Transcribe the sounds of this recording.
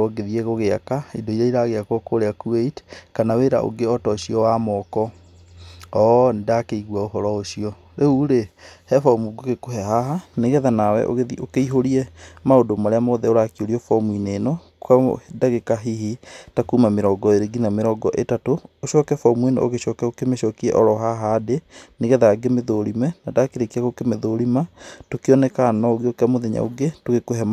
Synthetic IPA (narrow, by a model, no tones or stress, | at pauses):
ɔɡeðieɣoɣeakaidoiɾaiɾaɣeakwɔkoɾeakueitkanaweɾa̰ʔo̰ɡeɔtɔɕiɔwamɔkɔ | ɔndakeiɣwaoɦɔɾɔoɕiɔ | ɾeuɾehɛfɔmuɡoɣekoɦɛɦaɦaneɣɛðanawɛ̰ʔo̰ɣeðiokeiɦoɾiɛmaodomaɾeamoðɛoɾakioɾiɔfɔmuinenɔ | ka̰daɣekaɦiɦitakuːmameɾɔɡɔeɾeɡinameɾɔɡɔʔetatoːɕɔːkɛfɔmwen̰o̰ɣeɕɔːkɛokemeʃɔːkiɛ̰ʔɔɾɔɦaɦaːdeneɣɛðaɡemeðoɾimɛnadakeɾekiaɣokemeðoɾimatokeɔnɛkanɔoɣeokeamoðɛɲa̰o̰ɡetoɣekoɦɛm